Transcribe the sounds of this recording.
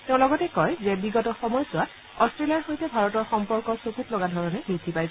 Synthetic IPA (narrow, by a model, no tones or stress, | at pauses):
tɛʊ̃lɔɡɔtɛkɔjzɛbiɡɔtɔxɔmɔjsʊat | ɔstɹelijaɹxojtɛbʱaɹɔtɔɹxɔmpɔɹkɔsokutlɔɡadʱɔɹɔnɛbɹidʱipajsɛ